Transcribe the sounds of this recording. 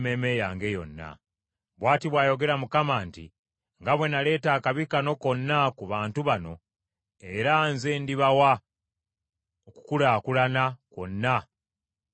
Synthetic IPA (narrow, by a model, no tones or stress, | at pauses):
memejaːŋɡe̞jo̞̰nːa̰ | βwaːtiβwaːjo̞ɡe̞ɾamukamaːntḭ | ŋɡaβwe̞nale̞ːtaːkaβikano̞ko̞nːakuβaːntuβano̞ | e̞ɾanzendiβawa | oku̥kulaːkulanakwo̞̰nːa